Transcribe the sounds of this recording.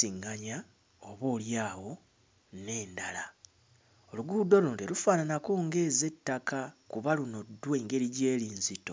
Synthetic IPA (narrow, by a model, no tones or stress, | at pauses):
iŋɡaɲa | oβo̞ːljaːwo̞ | ne̞ːndala | o̞luɡudo̞loːndelufaːnanakoːŋɡe̞ze̞tːakakuβaluno̞dːwe̞ːŋɡe̞ɾiɟe̞ːliːnzito̞